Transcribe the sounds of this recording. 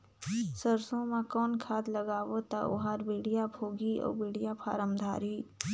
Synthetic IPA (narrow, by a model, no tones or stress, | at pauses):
səɾsõmãkɔːnkʰaːd̪ləɡaːʋot̪a̰ʔʊ̰ɦaːɾbiːɽijabʱoːɡiɔ̰ːbiːɽijapʰa̰ːɾəmd̪ʱa̰ːɾiː